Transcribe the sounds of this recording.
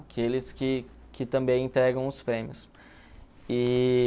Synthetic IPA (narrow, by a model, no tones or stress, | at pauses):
akʰelɪskɪ | kɪt̪ɐ̃mbẽj̃ẽt̪ɾɛɡɐ̃w̃ʊspɾẽmiʊs | ɪ